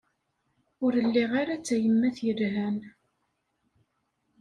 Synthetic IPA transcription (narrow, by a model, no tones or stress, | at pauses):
ʊɾəlːiʁaɾat͡sːæjəmːæθjəlɦæn